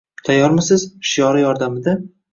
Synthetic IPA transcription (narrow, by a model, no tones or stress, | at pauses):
t̪ʰajɒɾmɪsɪz̥ʃɪjɒɾɪjɒɾd̪amɪd̪a